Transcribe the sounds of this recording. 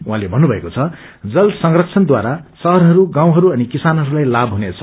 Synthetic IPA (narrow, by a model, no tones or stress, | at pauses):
wɦãlebʱʌnːubʱʌekot͡sʰʌd͡zʌlsʌŋrʌkt͡sʰʌnd̪waɾasʌɦʌrɦʌɾuɡãw̃ɦʌɾuʌnikisanɦʌɾulajlabɦunet͡sʰʌ